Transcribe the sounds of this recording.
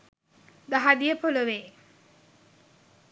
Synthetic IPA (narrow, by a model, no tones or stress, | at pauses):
d̪aɦad̪ijəpoloʋeː